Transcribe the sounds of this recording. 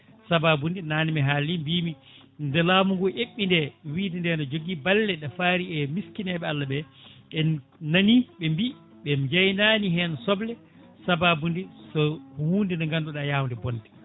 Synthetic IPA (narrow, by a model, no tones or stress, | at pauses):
sababundinaːnimɛɦalimbiːmi | ndɛlaːmuŋɡɔʔeɓːindɛwiːdɛndɛnɔd͡ʒoɡibalːɛɗafaɾiɛmiskinɛɓɛalːaɓɛɛnaniɓɛmbi | ɓɛd͡ʒajnaːniɦɛːnɔsɔblɛ | sababundisɔhuːndɛndɔŋɡanduɗajaːwndɛbɔndɛ